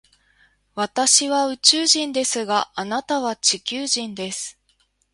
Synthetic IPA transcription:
βat̪aɕiβaɯ̟t͡ɕɨːʑĩnd̪e̞sɨɡaːnat̪aβ̞at͡ɕikʲɨːʑĩnd̪e̞sɨ̥

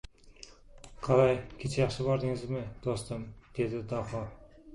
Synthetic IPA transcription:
qʰɑlˠɑjkʲʰet͡ʃʰejɑχʃəbɑɾd̪ɪŋɪzmɪd̪̥ost̪əmd̪̥ed̪ɪd̪ɑχo

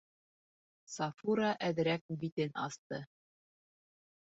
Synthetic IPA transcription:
sɑfuɾɑʔæðɾæk̚bit̪ɘnɑ̰st̪ɤ

